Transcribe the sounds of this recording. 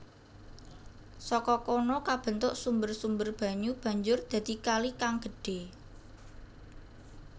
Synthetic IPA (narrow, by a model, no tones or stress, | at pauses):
sɔkɔkɔnɔkab̥ə̤nt̪ʊʔsumbərsumbərb̥ä̤ɲub̥ä̤ɲd͡ʒʊrd̪̥ä̤d̪̥i̤kalikaŋɡ̥ə̤ɖ̥e̤